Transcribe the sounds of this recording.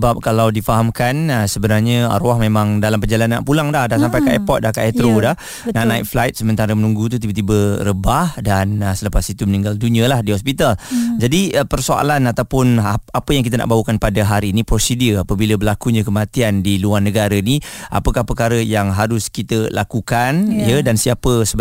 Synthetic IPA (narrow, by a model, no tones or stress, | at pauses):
əbap̚kalawdifaɦamkanəsəbənarɲəa̰ɾoahmemãŋdalampəd͡ʒalana̰ʔpulaŋdahdansampajkaʔɛpɔt̪̚dahkaʔɛt̪ɾodah | naʔnaɪ̰k̚flajt̪̚səmə̃nt̪aɾəmənũŋɡut̪̬ut̪̬ibət̪ibəɾəbahdanəsələpasit̪umənĩŋɡalduniəlahdiɦɔspit̪ald͡ʒadiəpərsoa̰lanat̪awpʊnapəjaŋkit̪anʔa̰ʔbaɦukanpadaɦaɾiːnipɾosidiəapəbiləbərlakuɲəkəmat̪iandiluarnəɡaɾainia̰pəkahpərkaɾəjaŋɦaɾʊskit̪əlʔakukanijədansiapəsə